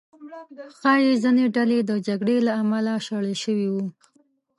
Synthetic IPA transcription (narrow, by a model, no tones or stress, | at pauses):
xɑjezineɖaled̪əd͡ʒaɡɽelaːmalaʃaɽəʃəwiwu